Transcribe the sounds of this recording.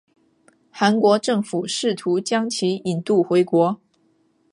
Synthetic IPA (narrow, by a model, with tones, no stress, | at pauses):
xa˧˥nkwɔ˧˥ʈ͡ʂɤ˥˩ŋfu˨˩ʂɻ̩˥˩t̪ʰu˧˥t͡ɕjɑ˥ŋt͡ɕʰi˧˥i˨˩nt̪u˥˩xwe˧˥ɪkwɔ˧˥